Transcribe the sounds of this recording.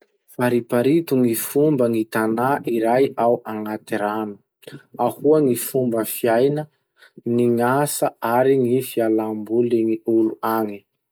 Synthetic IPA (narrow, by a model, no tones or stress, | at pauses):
faɾipaɾit̪uŋifumbəŋit̪anaʔiɾajawaŋat̪iɾanu̥ | ahuəŋifumbəfiajnə | niŋasəaɾiŋifialambuliŋiuluaŋi